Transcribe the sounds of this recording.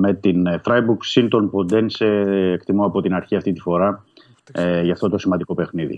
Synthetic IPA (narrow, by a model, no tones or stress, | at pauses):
me̞t̪inθɾɐjbuksint̪o̞npo̞nd̪eniseːkt̪imoɐpo̞t̪inɐɾçiɐft̪it̪i̥fo̞ɾɐ | ʝɐft̪o̞t̪o̞simɐnd̪iko̞pe̞xniðḭ